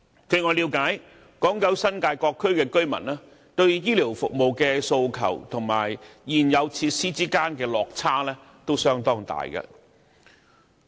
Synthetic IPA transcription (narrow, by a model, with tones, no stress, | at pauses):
kʰɵ˨˧ɥŋɔː˨˧liː˨˧wkaː˨˥j | kɔː˨˥ŋkɐ˨˥wsɐ˥nkaː˧jkɔː˧kʰːɵ˥ɥkɛː˧kɵ˥ɥmɐ̰˨˩naː˥ | t̪ɵ˧ɥjiː˥liː˨˩wfʊ˨k̚mo˨˩wkɛː˧so˧wkʰɐ̰˨˩wt̪ʰʊ˨˩ŋmaː˨˩jːiː˨˩njɐ˨˧wt͡sʰi˧t̚siː˥t͡siː˥kaː˥nkɛː˧lɔː˨k̚t͡sʰaː˥lɛː˥ | t̪o˥wsœː˥ŋt̪ɔː˥ŋt̪a̰ː˨jkɐ̰˧